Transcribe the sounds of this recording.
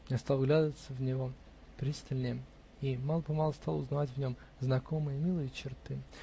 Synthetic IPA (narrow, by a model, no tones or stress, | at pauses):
jast̪alˠɡlʲad̪əvət̪səvnʲɪvo̞ | pɾʲisʲt̪ʲɪlʲnʲɪjə | imalˠpɐmɑlˠst̪alˠʊ̰znɐvatʲvnʲo̞m | znɐko̞mɨjəmʲilˠɨjət͡ɕɪrt̪ɨ